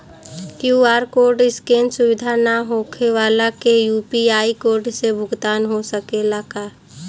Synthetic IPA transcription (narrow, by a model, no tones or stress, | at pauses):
kjuaːɾkoːɾɖɪskẽːnsʊʋɪd̪ʱanaɦokʰeʋaːlakejuːpiaːikoːɾɖsebʱʊɡt̪aːnɦosəkelakaː